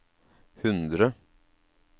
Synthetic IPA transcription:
hʉnd̪ɾə

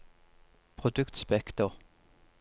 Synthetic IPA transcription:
pʰʁʊd̪ʉkt̪spɛkt̪ɔʁ

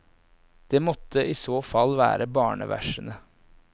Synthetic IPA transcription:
d̪̥eːmɔt̪ʰːəʔiːsoːfɑlːʋæ̰ːɾəbɑːɳə̰ʋʔæ̰ʂənə

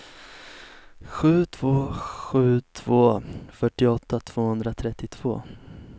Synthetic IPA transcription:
ɧʉ̟ːt̪ʰv̥oːɧʉ̟ːt̪ʰv̥oːfœʈːɪɔt̪ːat̪ʰv̥oːhɵnd̪ɾat̪ʰɾɛt̪ːɪt̪ʰv̥o̰ː

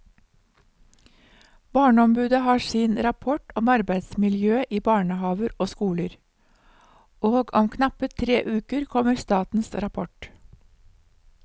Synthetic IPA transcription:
bɑːɳəɔmbʉːd̪əhɑːsiːnɾɑpʰɔʈɔmɑɾbæɪd̪smɪljøːʔiːbɑːɳəhɑːʋəɾoːskuːləɾ | ʔoːɡɔmkʰnɑpət̪ʰɾeːʔʉːkəɾkʰɔməɾst̪ɑːt̪n̩sɾɑpʰɔʈ

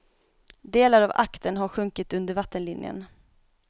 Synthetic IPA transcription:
d̪eːlaɾava̰kt̪ənɦaɾɧɵŋkɪt̪ɵnd̪əɾvat̪ːənlɪnjə̰n

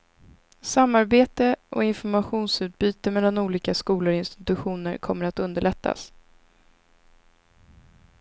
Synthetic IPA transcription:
samːaɾbeːt̪əʔɔ̰ɪnfɔɾmaɧuːnsʉ̟ːt̪̚byːt̪əmɛlːanuːliːkaskuːləɾɪnst̪ɪ̥t̪ɵɧuːnəɾkʰɔmːəɾat̪ɵnd̪əɭɛt̪ʰːa̰s

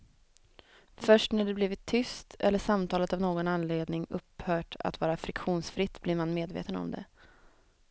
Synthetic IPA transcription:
fœʂʈnæɖɛbliːvɪt̪ʰːʏst̪ʰɛ̰lːəʂamt̪ʰɑːlət̪avnoːɡɔnanleːd̪nɪŋɵpːhœːʈa̰t̪vɑːɾafɾɪkɧuːnsfɾɪt̪ːblɪɾmanmeːd̪vḛːt̪ənɔ̰md̪ɛ̰

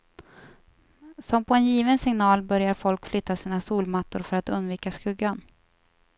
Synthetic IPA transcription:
sɔmpʰɔɛnjiːvənsɪŋnɑːlbœɾjaɾfɔlkflʏt̪ːasiːnasuːlmat̪ːʊɾfœɾat̪ɵnd̪viːkaskɵɡːan

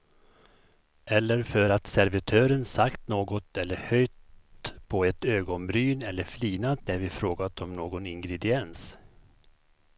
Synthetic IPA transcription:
ɛlːəɾfœɾat̪sæɾvɪt̪ʰøːɾənsakt̪noːɡɔt̪ʰɛlːəhœjt̪pʰɔɛt̪øːɡɔnbɾyːnɛlːəɾfliːnat̪̚næɾvɪfɾoːɡat̪ɔmnoːɡɔnɪŋɡɾɛd̪ɪɛns

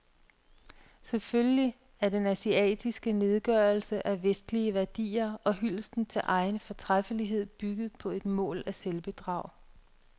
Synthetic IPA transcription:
seføljli | æɐd̥enæsiɛ̰ːd̥isɡ̥əne̝ð̞ˠɡ̥ɶːɐlsəʔæʋesd̥liəʋæɐd̥ḭːɐɒ̽ɦyl̰sd̥n̩t͡sʰe̝lʔɑ̈ɪnəfɒt͡sʰʁafəliɦe̝ð̞̰ˠb̥yɡ̥ð̞̩ˠpʰɒ̽e̝d̥mɔ̰̽ːlæselb̥əd̥ʁɑ̈ʊ̰

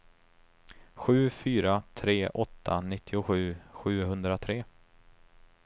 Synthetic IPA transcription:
ɧʉ̟ːfyːɾat̪ʰɾeːʔɔt̪ʰːanɪt̪ʰːɪʊɧʉ̟ːɧʉ̟ːɦɵnd̪ɾat̪ʰɾeː

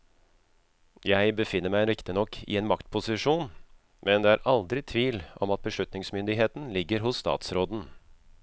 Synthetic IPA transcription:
jæɪbəfɪnːəɾmæɪɾɪkt̪ɪnɔkʰːɪ̰eːnmɑkt̪pʰʊsɪʂuːn | mʔɛnd̪eːæɾʔɑld̪ɾɪt̪ʰʋiːlʔɔmɑt̪̚bəʂʉt̪nɪŋsmʏnd̪ɪɦeːt̪n̩lɪɡːəɾɦʊsst̪ɑ̰ːt̪sɾoːd̪n̩

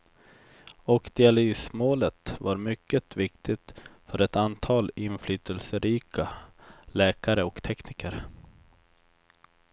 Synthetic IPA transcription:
ɔkd̪ɪalyːsmoːlət̪vaɾmʏkːət̪vɪkt̪ʰɪt̪fœɾɛt̪ant̪ʰɑːlɪnflyːt̪ʰəlsəɾiːkʰalɛːkaɾəɔkt̪ʰɛknɪkəɾ

